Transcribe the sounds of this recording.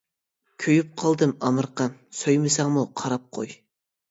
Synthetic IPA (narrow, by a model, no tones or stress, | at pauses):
kʲʰøjyp̚qʰɑlˠd̪ɨmɑmɨɾqɑmsojmɨsɑŋmuqʰɑɾɑp̚qʰo̰j